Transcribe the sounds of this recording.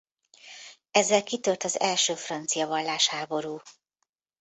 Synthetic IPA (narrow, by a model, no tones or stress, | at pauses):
ɛzːɛlkit̪ørt̪ɒzɛlʃøːfrɒnt̪sijɒvɒlːaːʃhaːbo̞ɾuː